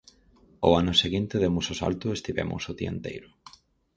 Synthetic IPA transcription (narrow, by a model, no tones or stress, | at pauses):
ʊ̰anʊseɣint̪eðemusosa̰lt̪ʊest̪iβɛ̰mʔʊ̰soðient̪ḛjɾʊ